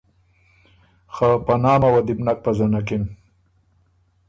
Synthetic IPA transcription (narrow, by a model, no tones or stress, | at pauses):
xapanɑːmawad̪ibnak̚pazanakɪn